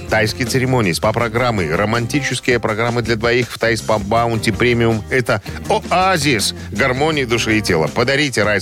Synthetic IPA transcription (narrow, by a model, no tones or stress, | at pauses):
t̪ajskʲɪjt̪sɨɾʲɪmo̞nʲɪjːspapɾɐɡɾamːɨɾəmɐnʲtʲit͡ɕɪskʲɪjəpɾɐɡɾamːɨd̪lʲɐd̪vɐixft̪ajspɐbaʊnʲtʲɪpɾʲemʲɪʊmɛt̪əoazʲɪs | ɡɐrmo̞nʲɪjɪd̪ʊʂɨɪtʲelˠəpəd̪ɐɾʲit̬ʲɪɾaj